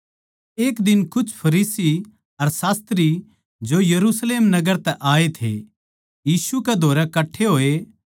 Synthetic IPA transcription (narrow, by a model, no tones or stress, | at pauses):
eːkd̪ɪnkʊt͡ʃʰpʰɐɾiːsi | ɐɾsaːst̪ɾi | d͡ʒojɐɾusleːmnɐɡəɾt̪ɛʔaːet̪ʰḛ | jiːsuked̪ʱoːɾɛkɐʈʰːeɦoːe